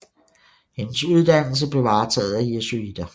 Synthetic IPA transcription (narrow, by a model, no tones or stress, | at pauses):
henəsuð̞ˠd̥æn̰l̩s̬əb̥le̝ʋɑ̈ːt͡sʰɛ̰ːð̞̩ˠæjesyid̥ɐ